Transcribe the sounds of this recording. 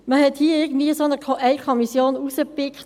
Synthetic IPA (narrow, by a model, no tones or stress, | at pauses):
məhɛthiːəɪɡən̩dviːəsoːnəkʰoʔɛɪkʰɔmisjoːnusəpɪkt